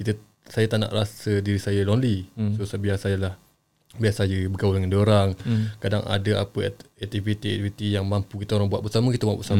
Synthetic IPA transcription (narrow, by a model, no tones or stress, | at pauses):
kit̪ə | sajət̪aʔna̰ʔrasədiɾisajəlonlisosabiasajəlah | biasajəbəɡawəldəŋandoɾaŋkadaŋa̰dəa̰pəɛk̚t̪ivit̪iɛ̰k̚t̪ifit̪ijaŋmãmpukit̪aoɾaŋbuwat̪̚bəsaməkit̪abuaʔ̚bəsam